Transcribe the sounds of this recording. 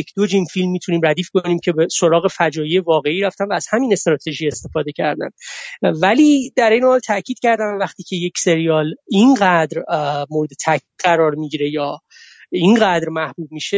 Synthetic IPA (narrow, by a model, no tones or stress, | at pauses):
jecʰd̪̥od͡ʒimfilmːiːt̪ʰuniːmræd̪iːfkniːmcʰe̞beso̞ɾɒːɣe̞fæd͡ʒɒːjije̞vɒːɣe̞iːɾæft̪ænmvæːz̥hæmiːne̞st̪ɾɒːt̪ʰe̞ʒie̞st̪e̞fɒːd̪e̞cʰæ̰ɾd̪æ̰mvæliːd̪æɾejnehɒːlt̪ʰæcʰiːd̪̥̚cæɾd̪æmvæχt̪iːcʰe̞je̞cse̞ɾijɒːlinɢæd̪ɾmoːɾed̪e̞t̪ʰæʔcʰiːd̪̥ɢæɾɒːɾmiɟiɾe̞jɒː | inɢæd̪ɾmæhb̥uːb̚miʃe